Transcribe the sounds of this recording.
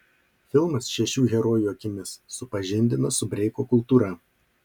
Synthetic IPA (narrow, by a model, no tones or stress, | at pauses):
fʲɪlˠmɐsʃʲɛʃʲuːɣʲɛɾoːjuːɐkʲɪmʲɪsːʊpɐʒʲɪnʲd̪ʲɪnɐsʊbʲɾʲɛɪkoːkʊlˠt̪uːɾɐˑ